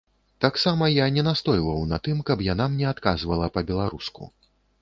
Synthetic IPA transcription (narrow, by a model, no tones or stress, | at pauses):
t̪aksamɐjanʲɛnast̪ɔjlˠɐwnɐt̪ɨmkɐpjanamnʲɛat̪kazvɐlˠɐpɐbʲɛlˠaɾuskṵ